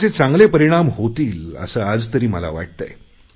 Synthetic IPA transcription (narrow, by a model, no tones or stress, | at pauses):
t͡set͡sãŋɡlepəɾiɽ̃amɦot̪iːlə̰səːad͡zt̪əɾiːməla̰ʋa̰ʈ̚t̪ə̰j